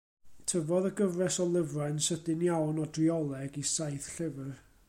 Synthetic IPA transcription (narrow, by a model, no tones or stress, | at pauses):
tʰəvɔðəɡəvrɛsɔlˠɪvrajnsədɪnjawnɔdriɔlˠɛɡisajθɬɪvər